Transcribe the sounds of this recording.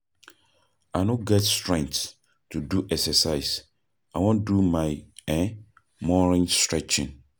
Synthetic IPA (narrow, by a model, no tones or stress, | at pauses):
anõɡɛtstɹɛ̃ŋk̚t | tʰuduʔɛksɛsaɪs | awɔ̃ndumãɪɛ̃ | mɔɹɪ̃ŋstɹɛt͡ʃɪ̃n